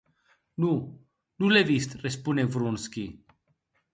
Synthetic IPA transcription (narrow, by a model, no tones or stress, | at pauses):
nu | nulevist̪respunevɾonskʲi